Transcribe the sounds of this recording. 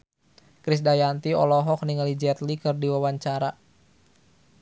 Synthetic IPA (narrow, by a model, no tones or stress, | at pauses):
kɾis̬dajant̪iɔ̰lɔɦɔk̚niŋalid͡ʒɛt̪likɨrdiwawaɲt͡ʃaɾa